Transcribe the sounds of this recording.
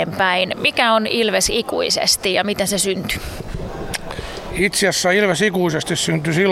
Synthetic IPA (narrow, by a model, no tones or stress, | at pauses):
empæinmikæonilʋesikṵisḛst̪ijɑmit̪ensesynt̪y̥ | it̪siæsːæilʋesikuisest̪issynt̪ysil